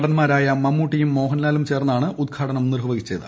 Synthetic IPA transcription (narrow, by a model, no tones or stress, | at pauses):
ɽɐnmaːɾaːjɐmɐmːuːʈːijumːo̞ːɦɐnlaːlumt͡ɕe̞ːrnːaːɳɨʔud̪̚ɡʰaːʈɐnɐmnirɦɐʋɐɡit͡ɕːejðɨ̰